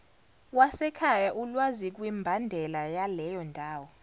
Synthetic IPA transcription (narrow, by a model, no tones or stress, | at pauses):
wasɛkʰajaʔulwazik̬wimbʱandʱɛlajalɛjɔndʱaːwɔ